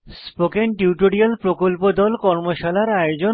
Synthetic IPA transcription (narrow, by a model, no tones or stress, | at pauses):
spokenʈiwʈoɾialpɾokolpod̪ɔlkɔɾmoʃalaɾajod͡ʑo